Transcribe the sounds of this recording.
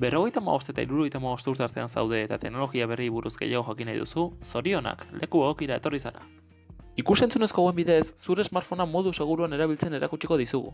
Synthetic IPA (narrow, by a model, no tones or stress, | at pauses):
be̞ro̞ɣ̞e̞jt̪ama̰βo̞st̪o̞t̪a̰ḭɾuɾo̞ɣejt̪amaβo̞st̪euɾt̪eaɾt̪e̞ansa̰wðe̞ːt̪at̪e̞ɡno̞lo̞ɣiaβ̞e̞riβuɾuzɡe̞̰jaɣo̞xakinajðṵsuso̞ɾio̞na̰kle̞kueɣokiɾae̞t̪o̞risana̰ | ikuse̞nt͡sune̞sko̞ɣuembiðe̞sːuɾe̞zmaɾfo̞namo̞ðuse̞ɣ̞uɾuane̞ɾaβ̞ilt͡se̞ne̞ɾakut͡ʃiko̞ðisuɣṵ